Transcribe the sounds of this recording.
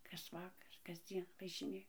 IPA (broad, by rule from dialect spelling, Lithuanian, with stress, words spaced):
kɐs ˈʋɑːkɐr kɐzʲˈd͡zʲiɛn ʋɐʒʲɪˈnʲeːjɛ